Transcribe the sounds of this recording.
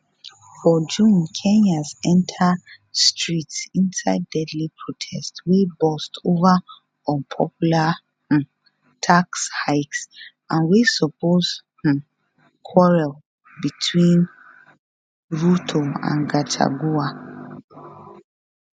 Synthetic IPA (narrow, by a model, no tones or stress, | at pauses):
fɔd͡ʒũnkʰɛ̃nazɛ̃ntʰə | stʰɹitsĩnsaɪdɛdlipʰɹotʰɛstwibɔstʰova | ɔ̃npʰɔpjulã | tʰakshaɪks | ʔãnwisɔpʰoz | kʰwɔɹɛl | bitʰwĩn | ɹutʰoã̰nɡatʰa̰ɡua